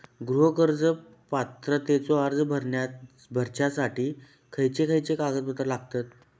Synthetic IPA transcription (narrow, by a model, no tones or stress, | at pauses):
ɡɾuɦəkəɾd͡zə | pat̪ɾət̪et͡sɔəɾd͡zəbʱəɾɳja | bʱəɾt͡ɕasaʈiː | kʰəjt͡sekʰəjt͡sekaɡət̪̚bət̪ɾəlaɡ̚t̪at̪